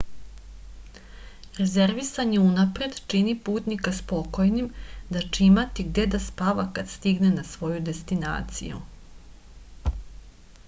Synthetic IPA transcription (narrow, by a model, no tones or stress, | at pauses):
ɾe̞ze̞ɾʋisaɲeunapɾe̞d̪t͡ʃinipuːt̪nikaspo̞ko̞jnimd̪at͡ʂimat̪iɡd̪e̞d̪aspaʋakad̪st̪iɡnenasʋo̞jud̪e̞st̪ina̰ːt̪sḭjṵ